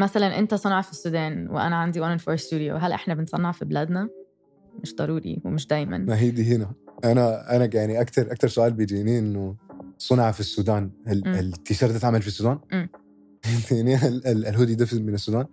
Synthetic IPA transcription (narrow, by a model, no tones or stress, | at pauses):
mæsælænʔɪ̰nt̪æsˤɑnɑʕɑfisːuːd̪æːnwḛʔæ̰næʕand̪iwænnfoːɾst̪uːd̪jo̰ɦælʔeħnæbensˤɑnːɑʕfiblæd̪næ | meʃd̪ˤɑɾˤuːɾḭwemɪʃd̪æjmæ̰nmaɦiːd̪iːɦenæʔanæʔanæjaʕniʔakt̪ɑɾˤʔɑk̚t̪ɑɾˤsʊʔaːlbed͡ʒiniːʔenːosˤɑnʕɑfisːuːd̪aːnllt̪ːiʃɑːɾˤd̪at̪ʕamalfisːuːd̪aːnʔemː | t̪nilɦoːd̪id̪afmɪnesːuːd̪aːn